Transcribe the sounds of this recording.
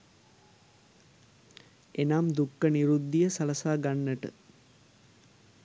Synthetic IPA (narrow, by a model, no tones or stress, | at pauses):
enamd̪ukːəniɾud̪ːijəsaləsaːɡanːəʈə̰